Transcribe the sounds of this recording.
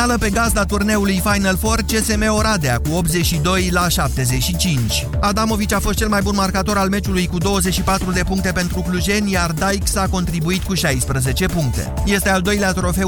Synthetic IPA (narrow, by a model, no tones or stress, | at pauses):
aləpe̞ɡazd̪at̪urne̞ulujfajnəlfo̞r̚t͡ʃe̞se̞me̞o̞ɾad̪eakuo̞p̚t̪ze̞t͡ʃʃid̪o̞jlaʃap̚t̪e̞ze̞ʃit͡ʃint͡ʃʲ | ad̪amo̞vit͡ʃafo̞st̪t͡ʃe̞lmajbunmarkat̪o̞ɾalme̞t͡ʃulujkud̪o̞wəze̞t͡ʃʃipat̪ɾud̪e̞puŋkt̪e̞pe̞nt̪ɾukluʒe̞nʲjard̪ajksako̞nt̪ɾibuit̪kuʃajspɾəze̞t͡ʃe̞puŋk̚t̪e̞̰je̞st̪e̞ald̪o̞jleat̪ɾo̞fe̞